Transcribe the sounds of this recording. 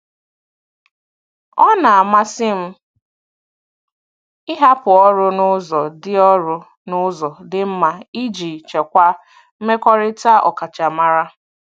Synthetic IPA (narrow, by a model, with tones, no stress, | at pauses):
ɔ˦na˨a˨ma˦sɪ˦m̩˦ | ɪ˦ɦa˦pʊ˨ɔ˦ɾʊ˦nʊ˦zɔ˨dɪ˦ɔ˦ɾʊ˦ | nʊ˦zɔ˨dɪ˦m̩˦ma˨i˦d͡ʒi˨t͡ʃe˨kʷa˦ | m̩˦me˦kʷɔ˦ɾɪ˦ta˦ɔ̰˨ka˨t͡ʃa˨ma˦ɾa˦